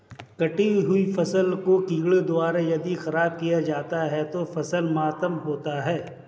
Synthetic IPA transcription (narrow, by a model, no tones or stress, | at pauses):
kɐʈiɦʊifɐsəlkokiːɡɭed̪ʊaːɾajɐd̪ixɐɾaːb̚kijad͡ʒaːt̪aɦɛt̪ofɐsəlmaːt̪əmɦoːt̪aɦɛː